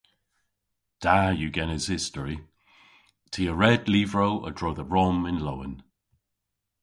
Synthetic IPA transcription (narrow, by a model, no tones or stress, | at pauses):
d̥ajəɡɛnɪz̥hɪstəɹi | tʰiːəɹɛdliːvɹoʊʔə̰dɹoʊðəɹɔmɪ̃nlowə̰̃n